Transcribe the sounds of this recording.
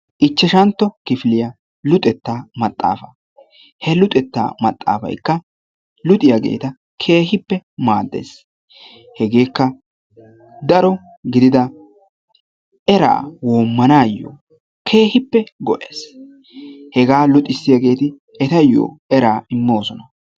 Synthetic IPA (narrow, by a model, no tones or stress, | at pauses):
ʔɪt͡ʃːɛʃɐnt̪ːɔkɪfɪlɪjɐ | lʊt̪ʼɛt̪ːaːmɐt̪ʼːa̰ːfɐ | hɛlʊt̪ʼɛt̪ːa̰ːmɐt̪ʼːa̰ːfɐ̰jkːɐ | lʊt̪ʼɪjaɡe̞̰ːt̪ɐ | kʰe̞ːɦɪpːɛmaːd̪ːḛːs | hɛɡe̞ːkːɐ | d̪ɐɾɔ | ɡɪd̪ɪd̪ɐ | ɛɾa̰ːwoːmːɐnaːjːo̰ː | kʰe̞ːhɪpːɛɡɔʔeːs | hɛɡaːlʊt̪ʼɪsːɪjɐɡe̞ːt̪ɪ | ɛt̪ɐjːo̰ːɛɾaːɪmːo̞ːsɔnɐ